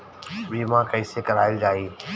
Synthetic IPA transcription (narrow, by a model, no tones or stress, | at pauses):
ʋiːmãːkəɪsekəɾaːɪld͡ʒaːiː